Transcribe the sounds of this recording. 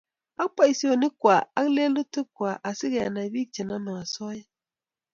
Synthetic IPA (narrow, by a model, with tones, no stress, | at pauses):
a˦pa˦i˨si˦o˨ni˦kʷa˨a˦kle˦lu˦tə˦kʷa˨ʔa˨si˦ɡe˨ja˨na˨bi˦k̚t͡ʃe˨na˦ma˨ŋa˨sɔ˦i˦